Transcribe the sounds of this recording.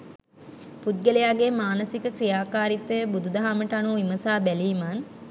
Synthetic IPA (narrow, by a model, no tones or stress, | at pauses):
pud̪̚ɡelejaːɡemaːnəsikəkrijaːkaːɾit̪ːəbud̪ud̪ɐɦaməʈanuːiməsaːbæliːman